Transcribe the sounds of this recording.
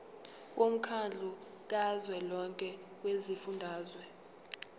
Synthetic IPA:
w̬om̩kʰand͡ɮʱu | k̬azwɛlɔŋkʼɛ | wezifundʱaːzwɛ

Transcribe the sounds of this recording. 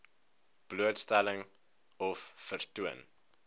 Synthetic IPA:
b̥luətstæləŋ | ɔfːərtuən

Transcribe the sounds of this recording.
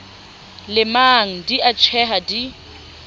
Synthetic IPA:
lɪmaŋ̩diʔat͡ʃʰɛɦadi

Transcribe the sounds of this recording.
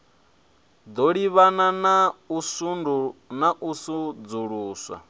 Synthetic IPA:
d̪ɔɺiβananausundunaʔusud͡zuɺuːswa̰

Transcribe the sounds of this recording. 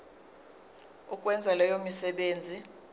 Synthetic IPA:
ukʼwɛnd͡zʱalɛjomisɛɓeːnd͡zʱi

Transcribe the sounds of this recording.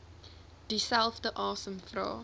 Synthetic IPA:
d̥isælˠfdəʔɑːsəmfrɑ̰ː

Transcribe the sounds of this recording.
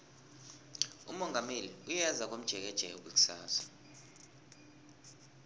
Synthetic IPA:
ṵmɔŋɡʱameliujɛzak̬om̩d̥ʒ̥ʱɛk̬ɛd̥ʒ̥ʱɛjok̬ʼwik̬u̥saːsḁ

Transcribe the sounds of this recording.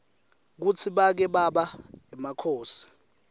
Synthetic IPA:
k̬ut͡sʰiɓak̬ɛɓaɓaɛmakʰoːsi̥

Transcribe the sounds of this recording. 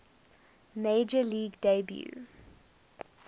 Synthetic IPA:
meːd͡ʒəliːɡdebjṵ

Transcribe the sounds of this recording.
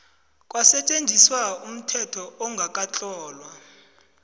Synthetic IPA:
kʼwasɛt͡ʃʼend͡zʱiswaum̩tʰɛtʰɔɔŋɡʱak̬ʼat͡ɬʼɔːlwa

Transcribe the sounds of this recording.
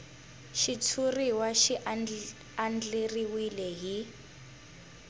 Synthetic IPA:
ʃit͡sʰuriwaʃi | and͡ɮeriwilɛɦi

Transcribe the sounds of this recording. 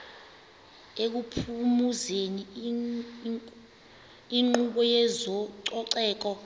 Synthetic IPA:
ek̬upʰumuzeni | iŋ͡ǃuɓɔjɛzɔǀɔǀɛːk̬ɔ

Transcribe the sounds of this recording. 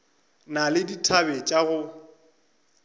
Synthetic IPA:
nalɪditʰabɛt͡ʃʼaɣʊ

